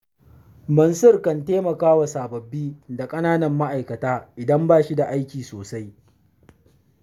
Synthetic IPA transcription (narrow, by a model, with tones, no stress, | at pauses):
mɐ˨nsʊ˦rkɐ˨nteː˦mɐ˨kaː˦wa˨saː˨bɐ˨bːiː˦da˨kʼɐ˦naː˦nɐ˨mːa˦ʔa˨jkɐ˨taː˦ʔɪ˨dɐ˦mbaː˦˨ʃi˦da˨ʔa˦jkʲiː˨soː˨sa˦j